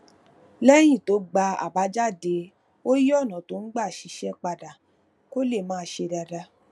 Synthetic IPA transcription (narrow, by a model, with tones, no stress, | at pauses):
lɛ˦j̃ĩ˦˨to˨˦ɡ͡ba˧a̰˨ba˨˦d͡ʒa˦˨de˧ | o˦ji˦ɔ˦˨nã˨to˨˦n̩˦ɡ͡ba˦˨ʃi˧˦ʃɛ˦k͡pa˧da˨ | ko˦le˦˨mãː˦˧˦ʃe˧da˧da˧